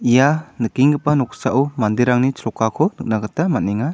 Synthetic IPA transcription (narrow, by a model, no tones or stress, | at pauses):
ijanɯkiŋɡɯpanɔksaʔuwmand̪iɾaŋnit͡ʃʰɾɔkakʰɔnɯk̚naɡɯtamaniŋa